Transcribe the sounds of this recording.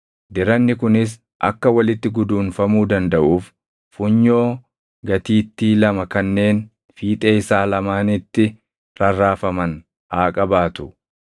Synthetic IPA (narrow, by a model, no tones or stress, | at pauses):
d̪ɪɾɐnːɪkʊnɪs̬ | ʔɐ̰kːɐwɐlɪt̪ːɪɡʊd̪uːnfɐmuːd̪ɐnd̪ɐʔuːf | fʊɲːo̞ː | ɡɐt̪iːt̪ːiːlɐmɐkɐnːe̞ːn | fiːt̪ʼeːɪsaːlɐmaːnɪt̪ːɪ | ɾɐrːaːfɐmɐn | aːkʼɐbaːt̪ʊ̥